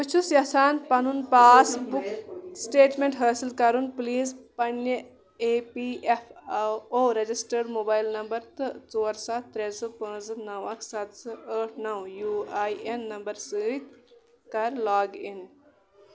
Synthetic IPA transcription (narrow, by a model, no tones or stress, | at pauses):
pət͡ʃʰusjɐsaːnpɐnunpaːsbuksʈeːʈmeɳʈɦəːsilkɐɾunpliːzpɐnjɐ | epiʔefoːɾɐd͡ʑisʈɐɖmoːbaːjlnɐmbɐɾt̪ɨt͡soːɾsat̪ːɾesɨpə̃ːd͡znɐwɐksɐt̪sɨəːʈʰnɐwjuːaiʔenːɐmbɐɾsəːit̪ | kɐɾlaːɡin